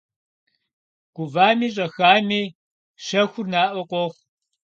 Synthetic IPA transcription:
ɡ̥ʷʊvaːmiːɕ̬ʼɐxaːmiː | ʂɐxʷʊrnaːʔʷɔqʷʼɔx

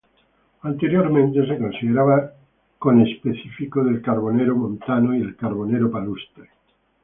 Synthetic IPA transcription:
ant̪eɾjoɾmẽnt̪e̞s̬eko̞nsiðeɾaβa | konespeθifikoðe̞lkaɾβ̞o̞neɾomõnt̪anoielkaɾβ̞o̞neɾopalust̪e

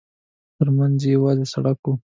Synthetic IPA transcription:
t̪əɾmanzjawɑzesaɽaku

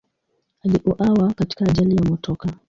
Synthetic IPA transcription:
aliʔuʔawakati̥kaːʄalijamɔtʰɔka

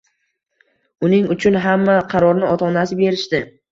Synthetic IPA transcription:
ʊnɪŋʊt͡ʃʰʊnɦamːaqʰɑɾɒɾnɪɒt̪ʰɒnasɪbe̞ɾɪʃt̪ɪ

